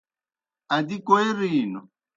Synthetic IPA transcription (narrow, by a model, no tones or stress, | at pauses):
adikoeɾiːnɔ